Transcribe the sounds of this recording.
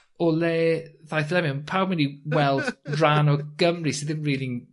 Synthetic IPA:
ɔlɛːðajθlɛmɪənpʰawmɛniwɛlˠdranɔɡ̥əmrisɪðɪmriːlin

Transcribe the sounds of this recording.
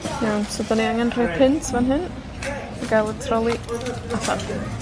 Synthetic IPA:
jawnsɔdaniaŋɛnr̥ʊjpʰɪntʰvanɦɨn | aɡajlˠətʰrɔlˠiafa̰

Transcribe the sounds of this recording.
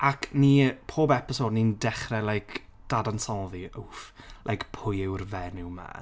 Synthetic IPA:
akʰniːpʰoːbɛpɪsoːdnindɛχrɛlˠajkʰ | d̥adansɔlˠðiowflˠʔajkpʰʊjɪwrvɛnɪwma̰

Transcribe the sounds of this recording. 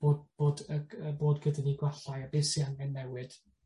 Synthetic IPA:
b̥oːdb̥oːdəəboːdɡədəniɡwaɬajabeːsiaŋɛnːɛwɨd̥

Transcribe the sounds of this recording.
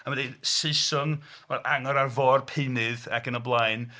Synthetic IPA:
amədesɪsɔn | vɛaŋɔɾarvɔrpʰɪnɨðakənəblˠajn

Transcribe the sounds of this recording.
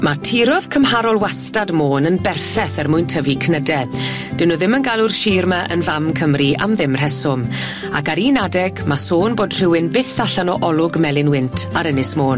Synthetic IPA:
matʰiɾɔð̥kʰəmhaɾɔlˠwastadmoːnənbɛrθɛθɛrmʊjntʰəvikʰnədɛ | d̥ənɔðɪmənɡalˠʊrʃiːrmaʔə̰nvamkʰəmriʔa̰mðɪmr̥ɛsʊm | akaɾiːnadɛɡmasoːnboːdr̥ɪwɪnbɪθaɬanɔʔɔlˠʊɡmɛlˠɪnwɪntʰaɾənɪsmoːn

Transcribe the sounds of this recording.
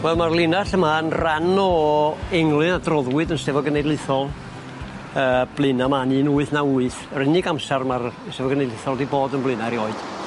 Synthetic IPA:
wɛlˠmarlˠɪnaɬəmaənranɔɛŋlˠɨnadrɔðwɨdənsɛvɔɡənejdlˠɨθɔlˠ | əːb̥lˠɨnamanɨːnuɨθnauːɨθəɾɪnɪɡamsɛrmarsɛvɔɡənejdlɪθɔlˠdiboːdənblɨnaɾiɔɨd̥

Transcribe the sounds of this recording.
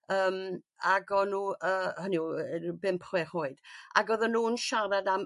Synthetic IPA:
əːm | aɡɔnuːəːhənibɪmpʰχwɛrʊɨd̥a̰ɡɔðɔnuːnʃaɾadam

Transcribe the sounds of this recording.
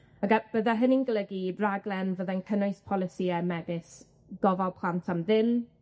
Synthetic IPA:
əɡab̥əðaɦəninɡəlˠəɡiraɡlˠɛnvəðankʰənʊjspʰɔlˠɪsiɛmɛbɪs | ɡ̥ɔvalˠpʰl̥ˠantʰamðɪn

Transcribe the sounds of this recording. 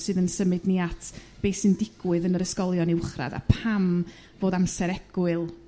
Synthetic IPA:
sɨːðənsəmɨdniatʰb̥ejsɨndɪɡ̥wɨðənəɾəskɔlˠjɔnɪwχra̰ða̰pʰam | voːdamsɛɾɛɡ̥ʊɨlˠ

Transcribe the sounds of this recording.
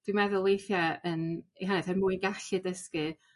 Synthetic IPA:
d̥wimɛðʊlˠejθjaəniɦanɛθɛrmuɨnɡaɬɨdəskɨ

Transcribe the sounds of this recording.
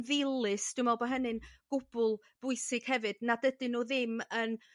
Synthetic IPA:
ðɪlˠɨsd̥umɔlˠbɔɦənɨnɡ̥ʊb̥ʊlˠ | b̥ʊɨsɪɡ̥hɛvɨdnadədɨnuːðɪmən

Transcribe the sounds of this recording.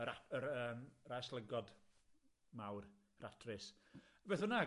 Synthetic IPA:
ɾaəɾəːmrajslˠəɡɔd | mawr | rʔatʰrɪsbeːθhʊna

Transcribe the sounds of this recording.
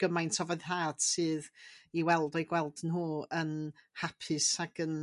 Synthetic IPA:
ɡ̥əmajntʰɔvɛðraːd̥sɨːðiwɛlˠdɔjɡwɛlˠdnɦuːənhapʰɨsaɡ̥ən

